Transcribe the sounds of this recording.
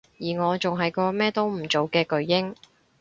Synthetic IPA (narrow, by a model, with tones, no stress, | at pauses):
jiː˨˩ŋɔː˨˧t͡sʊ˨ŋɦɐ˨jkɔː˧mɛː˥t̪o˥wm̩˨˩t͡so˨wkɛː˧kɵ˨˧ɥjɪ˥ŋ